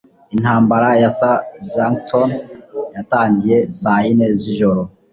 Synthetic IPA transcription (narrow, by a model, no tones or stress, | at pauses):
in̥haːmbaɾajasaʒaŋktʰonjataːɲɟije̞saineziʒo̞ɾo